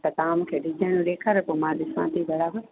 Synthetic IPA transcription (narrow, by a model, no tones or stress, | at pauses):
t̪ɐt̪aːmkʰeːɖʱid͡ʒaːnũɗeːkʰaːɾepomãɗ̪ɪsãːt̪ibɐɾaːbəɾ